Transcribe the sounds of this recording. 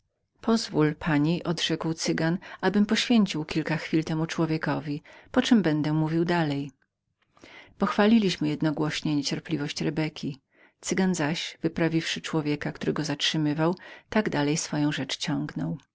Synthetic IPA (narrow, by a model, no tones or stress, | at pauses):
pʰɔzvulpʰaɲiʔɔd̪ʐɛkwt̪sɘɡanʔabɘmpɔɕfʲjeɲt͡ɕiwkʲilkaxfʲilt̪ɛmut͡ʂwɔvʲjekɔvʲipɔt͡ʂɛmbɛnd̪ɛmuvʲiwd̪alɛj | pɔxfalʲilʲiɕmɘjɛd̪nɔɡwɔɕɲɛɲet͡ɕɛɾplʲivɔɕt͡ɕɾɛbɛkʲi | t̪sɘɡanzaɕv̥ɘpɾavʲifʂɘt͡ʂwɔvʲjɛkakt̪uɾɛɡɔzatʂɘmɘvawt̪aɡd̪alɛjsfɔjɔ̃w̃ʐɛt͡ʂt͡ɕɔŋɡnɔw